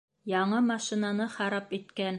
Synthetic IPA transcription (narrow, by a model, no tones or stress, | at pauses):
jɑɴɤmɑʃĭnɑnɤχɑɾɑpit̪kæn